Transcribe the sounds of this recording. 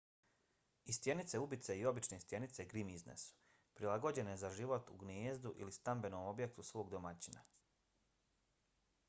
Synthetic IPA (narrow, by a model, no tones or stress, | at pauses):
ist̪je̞nit̪se̞ubit̪se̞io̞bit͡ʃne̞ist̪je̞nit̪se̞ɡɾimiznḛsu̥ | pɾilˠaɡo̞d͡ʑe̞ne̞zaʒiʋo̞t̪ṵɡnjeːzd̪uʔḭlist̪ambe̞nomo̞bje̞k̚t̪usʋo̞ːɡd̪o̞mat͡ɕina̰